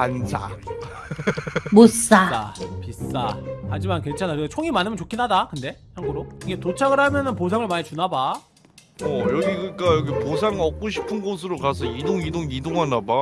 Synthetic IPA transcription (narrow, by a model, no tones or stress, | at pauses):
ansʰa̰ | mos͈aa̰pis͈ahad͡ʑimankwent͡ɕʰanakɯet͡ɕʰoŋimanɯmʌnt͡ɕokʰinɦadakɯnde̞haŋɡuɾoiɡetot͡ɕʰaɡɯɾɦamjʌnɯnpos̬ʰaŋɯɭmaɲit͡ɕunaba | ʌjʌɡiɡɯik͈ajʌɡiposʰaŋʌk̚k͈oɕʰi̥pʰɯnɡos̬ʰɯɾokas̬ʰʌidoŋidoŋidoŋɦanaba